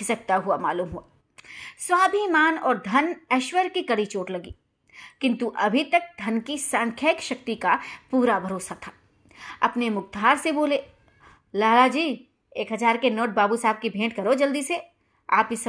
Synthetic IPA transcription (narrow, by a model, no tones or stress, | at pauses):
sɐk̚t̪aɦuama̰ːluːmɦuaː | swaːbʱimaːnɔːɾd̪ʱɐnɐʃwəɾkikɐɽit͡ʃoːʈlɐɡiː | kɪ̃nt̪uʔɐbʱit̪ɐk̚d̪ʱɐnkisãːŋkʰjaːɪkʃɐk̚t̪ikapuːɾabʱɐɾoːsat̪ʰa | ɐpnemʊɡ̚d̪ʱaːɾseboːleː | laːlad͡ʒiː | eːkɦɐzaːɾkenoːʈ̚baːbusaːb̚kibʱẽːʈkɐɾod͡ʒɐld̪ise | a̰ːpkisɐ